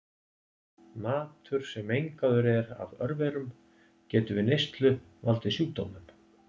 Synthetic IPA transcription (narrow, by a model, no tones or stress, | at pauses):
maːt̪ʰʏɾ̥sɛmejŋkaðʏɾɛɾa̰vœɾvɛːɾʏm | cɛːt̪ʏvɪnejst̪lʏ | valt̪ɪsjuːt̪o̰wmʏm